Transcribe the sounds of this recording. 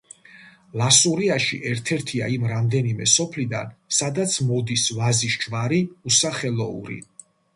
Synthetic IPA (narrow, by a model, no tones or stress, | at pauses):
lˠasuɾiaʃḭʔɛɾt̪ʰɛɾt̪ʰia̰imɾamd̪ɛnimɛsɔpʰlid̪a̰nsad̪at̪sʰmɔd̪isvaziʃt͡ʃvaɾiusaχɛlˠɔṵɾḭ